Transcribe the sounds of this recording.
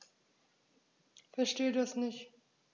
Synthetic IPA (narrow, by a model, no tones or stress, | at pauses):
fɛɐʃteːdasnɪçt